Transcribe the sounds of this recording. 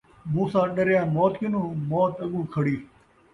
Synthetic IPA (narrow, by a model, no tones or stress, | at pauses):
mũːsãːɗəɾjãːmoːt̪kɪnũːmoːt̪əɠũːkʰəɽiː